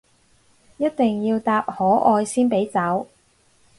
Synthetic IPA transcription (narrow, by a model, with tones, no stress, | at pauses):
jɐ˥t̪̚t̪ɪ˨ŋjiː˧wt̪aː˧p̚hɔː˨˥ʔɔː˧jsiː˥npe˨˥jt͡sɐ˨˥w